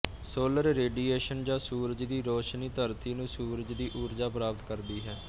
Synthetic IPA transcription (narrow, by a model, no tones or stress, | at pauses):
soːləɾɾeːɖiːeːʃənd͡ʒãːsuːɾd͡ʒd̪iːɾoːʃniːt̪əɾt̪ʰiːnũːsuːɾd͡ʒd̪iːʔuːɾd͡ʒaːpɾaːpət̪kəɾd̪iːɦɛː